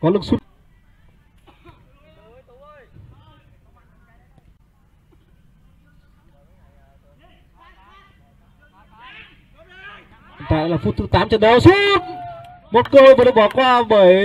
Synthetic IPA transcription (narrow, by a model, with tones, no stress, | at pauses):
kɔ˨˦lɨ˨˧˩ŋsu˦˥t̚ | t̪a̰˧˨laː˨˩fu˦˥t̚t̪ɨ˨˦t̪aː˨˦mt͡ɕə˧˩ɗə˨˧˩wsu˦t̚ | mo˨˩t̚ko˧əː˨˩ɗə˧˩ɓɔ˧˩kwaː˧ɓəː˨˩j